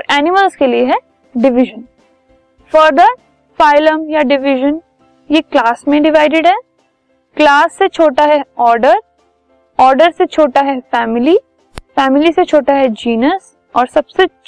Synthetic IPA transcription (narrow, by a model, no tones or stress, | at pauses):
ɔːɾɛːnɪməlskelieɦɛ | ɖɪʋɪʒə̃n | fəɾd̪əɾ | faːɪləmjaɖɪʋɪʒə̃n | jeklaːsmẽɖɪʋaːɪɖɪɖɦɛː | klaːsːet͡ʃʰoːʈaɦɛɔːɾɖəɾ | ɔːɾɖəɾset͡ʃʰoːʈaɦɛfɛːmɪli | fɛːmɪliset͡ʃʰoːʈaɦɛd͡ʒiːnəs | ɔːɾsɐbse